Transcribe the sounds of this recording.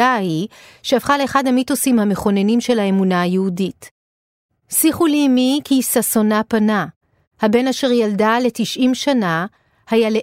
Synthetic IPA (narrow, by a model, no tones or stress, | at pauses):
ahiʃeafχaleeχadhamitusimhame̞χo̞ne̞nimʃe̞laemunaajehudit | siχulimikisaso̞napana | habe̞naʃe̞ʁjaldale̞tiʃʔimʃana | hajale